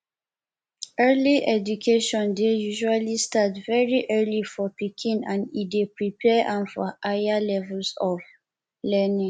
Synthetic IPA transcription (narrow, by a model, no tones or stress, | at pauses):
ɜliʔɛd͡ʒukʰeʃɔ̃ndejuʒualistatvɛɹiʔɜlifɔpikʰĩnãnidepɹipʰɛãmfɔ̰ajalɛvulsɔv | lɛnĩŋ